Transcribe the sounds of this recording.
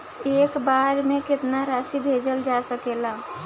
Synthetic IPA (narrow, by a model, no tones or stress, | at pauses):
eːkbaɾmẽkɪt̪naɾasibʱed͡ʒəld͡ʒasəkela